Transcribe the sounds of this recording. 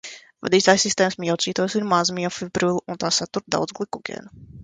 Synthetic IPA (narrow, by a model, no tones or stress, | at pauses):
va̰d̪iːt̪aːjsːist̪ɛːmsmʲiɛwt̪sʲiːt̪ɔjsiɾmazmiɔfʲibɾuilˠunt̪aːsat̪uɾt̪d̪a̰wd̪zɡlˠikuɡʲɛ̰ːn